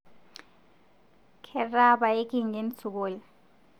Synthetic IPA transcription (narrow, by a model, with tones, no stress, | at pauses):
kʰɛ˨ra˦ɓa˨e˦k̬ʼi˦ŋe˦nt͡sʰu˨k̬oː˦lɛ˨